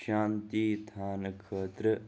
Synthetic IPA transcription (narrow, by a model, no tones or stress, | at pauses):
aːnt̪it̪ʰaːnkʰeːt̪ɾə